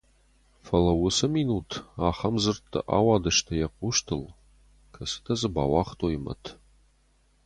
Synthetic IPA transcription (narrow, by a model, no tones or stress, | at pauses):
fɐlɐwʊsɐmiːnuːtʰaːχɐmzɨrtʰːɐ̰ʔa̰ːwɑːdɐʃtʰɐjɛqʷuʃtʰɨl | kʰɐsɨ̥tʰɐzɨba̰ːwɑːχtʰʼojimɐ̰tʰ